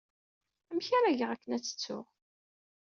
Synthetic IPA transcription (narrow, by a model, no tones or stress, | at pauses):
æmçaɾaʝəʁækːənæt͡sːə̥t͡sːʊ̰ʁ